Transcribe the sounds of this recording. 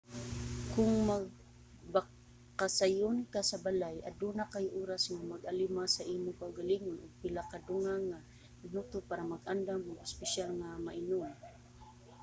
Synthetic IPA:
kʊŋmaɡ̚ | ba | kasajʊnkasabalaja̰d̪unakajʔuːɾasŋamaɡalimasaʔiːmʊkaʊɡaliŋʊnʔʊɡ̚pɪlakad̪ʊŋaŋa | ɪnut̪ʊpaːɾamaɡʔand̪amʊɡʊspɪʃalŋamaʔɪnʊm

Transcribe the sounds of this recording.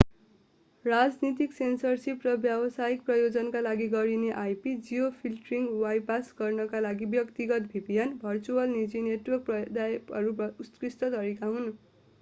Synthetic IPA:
rad͡znit̪iksensʌrsiprʌbjabʌsajik̚prʌjod͡zʌnkalaɡiɡʌɾineʔajpid͡zijopʰilʈriŋɡwajpasɡʌrnʌkalaɡibjʌkt̪iɡʌt̪bʱibijʌnbʱʌrt͡suʌlnid͡zineʈwʌrk̚pʌd̪ajʌɾuʌuskrist̪ʌt̪ʌɾikaɦun

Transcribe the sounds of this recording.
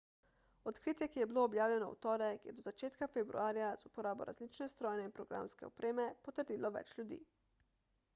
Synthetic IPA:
ot̪kɾiːt̪jɛkijɛbiloːbjaːwlʲɛnɔṵt̪ɔːɾɛkjɛ̰d̪ozat͡ʃeːt̪kafɛbɾṵaːɾjazupoɾaːboɾa̰zlit͡ʃnɛst̪ɾɔːjnɛinpɾoɡɾa̰mskɛ̰o̰pɾeːmɛpot̪əɾd̪iːlɔʋɛ̰t͡ʃlʲud̪ḭː

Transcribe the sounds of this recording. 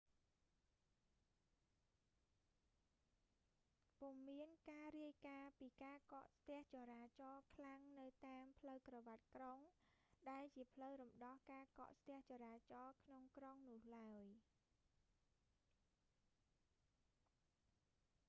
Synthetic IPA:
pumːiənkaːɾiəjkaːpiːkaːkɑʔst̪ɛ̆əht͡ɕɑːɾaːt͡ɕɑːkʰlaŋnɨwt̪aːmpʰləwkrɑʋat̪̚kroŋɗaɛlt͡ɕiəpʰləwɾumɗɑhkaːkɑ̰ʔst̪ɛ̆əht͡ɕɑːɾaːt͡ɕɑːkʰnoŋkroŋnʊ̆əhlaəj

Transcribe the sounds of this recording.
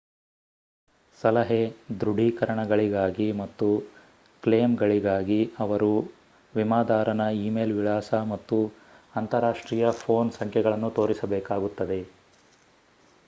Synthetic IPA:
sɐlɐɦed̪ɾuɽʱikɐɾɐɳɐɡɐɭiɡaːɡimɐt̪ːu | kleːmɡɐɭiɡaːɡiɐʋɐɾu | ʋimaːd̪aːɾɐnɐiːmeːlʋiɭaːsɐmɐt̪ːu | ɐnt̪ɐɾaːʂʈɾiːjɐpʰo̞ːnsɐŋkʰɛɡɐɭɐnːut̪o̞ːɾisɐbɛːkaːɡut̪ːɐd̪e̞

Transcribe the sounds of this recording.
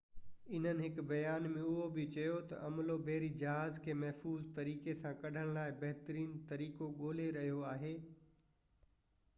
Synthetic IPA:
ɪn̤ənɪɦɪkbɐjaːnmẽʊɦobɪt͡ɕɐjot̪ɐ̰ʔɐmlobeːɾid͡ʑɐɦaːzkʰeːmɐɦfuːzt̪ɐɾiːkesãkɐɖʱəɽ̃laːɪbɐɦɪt̪əɾiːnt̪ɐɾiːkoɠoːl̤eɾɐɦijoaːɦeː

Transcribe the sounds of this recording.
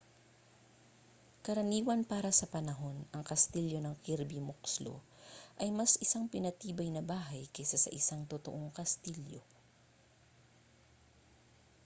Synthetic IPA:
kɐɾɐniːwɐnpaːɾɐsɐpɐnɐɦo̞nɐŋkɐst̪iljo̞nɐŋkiɾbimokslo̰ | ʔɐjmɐsɪsaŋpɪnɐt̪iːbɐjnɐbaːɦɐjkɛsasɐ̰ʔɪsaŋt̪ot̪o̰ʔo̞ŋkɐst̪iljo̞̰

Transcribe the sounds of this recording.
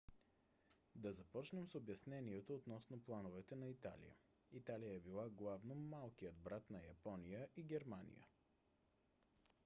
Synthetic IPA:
d̪ɐzɐpɔt͡ʃnɛmsobjɐsnɛniɛt̪oːt̪nɔsnoplˠanovɛt̪ɛnɐit̪a̰lḭjə̰ | it̪alijəɛbilˠaɡlˠavnomalˠkijəd̪̚bɾat̪nɐjɐpɔnijəʔiɡɛɾmanḭjə̰

